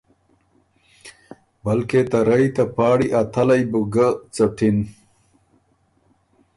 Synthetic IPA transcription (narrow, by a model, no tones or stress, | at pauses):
bɐlket̪ɐɾɐjt̪ɐpaːɽiʔɐt̪ʰɐlɐjbuɡat͡sɐʈʰin